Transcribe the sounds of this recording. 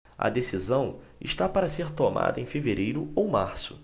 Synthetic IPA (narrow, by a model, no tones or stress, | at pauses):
ɐ̰d̪esizɐ̃w̃ | ɪ̰ʃt̪apaɾɐseɾt̪oma̰d̪ɐẽj̃feveɾejɾʊowmaɾsʊ̥